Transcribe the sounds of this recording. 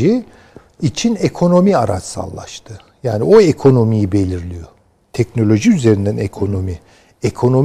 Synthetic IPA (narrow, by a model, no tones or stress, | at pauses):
i | it͡ʃʰinekʰo̞no̞miaɾa̰t͡ʃsa̰lˠːa̰ʃt̪ʰɯ | jaːnio̞ekʰo̞no̞mijibe̞lʲiɾlʲijo̞ | t̪ʰɛcno̞lʲo̞ʒiyze̞ɾind̪ænekʰo̞no̞mi | ekʰo̞no̞m